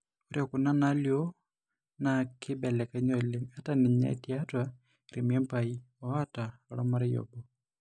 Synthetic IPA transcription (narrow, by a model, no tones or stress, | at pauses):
uɾjakunanaljɔ | nakʰibɛlɛkaɲɔlemataniɲɛ̰tiatwa | iɾimiɛmpai | ɔataɔlamaɾɛjɔ̰bɔ